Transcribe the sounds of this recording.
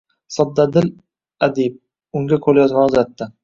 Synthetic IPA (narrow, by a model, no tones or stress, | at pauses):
sɒd̪ːad̪ɪl | ad̪eb̚ | ʊŋɡʲakʰoljɒzmanʊzat̪ːɪ